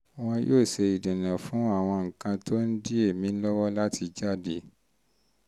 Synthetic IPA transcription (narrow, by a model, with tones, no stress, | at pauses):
w̃ɔ̃˧jʔoː˦˨se˧i˨dẽ˨nã˨fũ˨˦a˦˨w̃ɔ̃˧ŋ̩˨kã˧to˦n̩˦di˦e˦˨mĩ˨˦lɔ˦wɔ˦la˦tʰi˧d͡ʒa˦˨de˨˦